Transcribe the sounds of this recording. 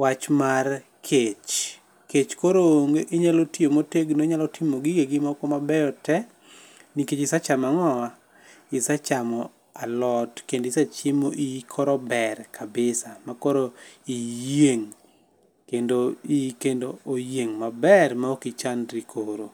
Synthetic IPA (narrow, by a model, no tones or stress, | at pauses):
wat͡ʃmar | kʰet͡ʃ | ket͡ʃkoɾoŋʔɪɲalotiomoteɡnoɲalɔtʰɪmoɡɪɡeɡɪmɔkɔmabɛjɔtɛ | niket͡ʃɪsat͡ʃamaŋɔwa | ɪsat͡ʃamɔ | alɔtkendɪsat͡ʃɪmoʔikʰɔɾɔbɛrkʰabɪsamakɔɾoijeŋ | kendoikendoojeŋmabɛrmaokit͡ʃandɾikʰoɾo